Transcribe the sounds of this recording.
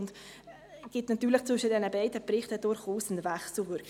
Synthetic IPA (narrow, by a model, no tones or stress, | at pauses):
nd | ɡ̥ɪtnɑtyːɾləχt͡sʋʏʃədɛnəbɛɪdəprɪχtəd̥ʊɾχuːsnvɛχsl̩vʏɾk